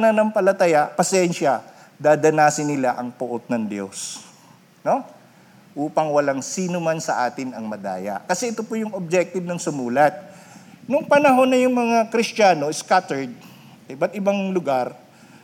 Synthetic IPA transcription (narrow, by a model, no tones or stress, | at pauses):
nanɐŋpɐlɐt̪ɐjaʔpɐsɛnʃɐ | d̪aːd̪ɐnaːsɪnːɪlaʔɐŋpʊʔot̪̚nɐŋd̪jo̰s | no̞ | ʔuːpɐŋwɐlaŋsiːnomansɐʔaːt̪ɪnɐŋmɐd̪a̰ːjɐ̰ʔkɐsɛʔɪt̪o̞pojʊŋob̚d͡ʒɛk̚t̪ɪbnɐŋsʊmuːlɐt̪̚nʊŋpɐnɐɦo̞nːɐjʊŋmɐŋakɾɪstaːno̞ɪskat̪ɛɹd̪̚ | ɐɪbat̪̚ʔɪbaŋlʊɡaɾ